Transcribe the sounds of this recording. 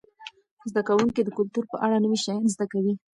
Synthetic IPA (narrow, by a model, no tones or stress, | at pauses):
zd̪akawuŋkid̪əkʊlt̪uɾpəʔaɽanəwiʃajɑnzd̪akawi